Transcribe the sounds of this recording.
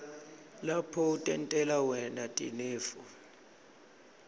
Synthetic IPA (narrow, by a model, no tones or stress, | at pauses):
lapʰɔutʼɛntʼɛlawɛnatʼḭneːfu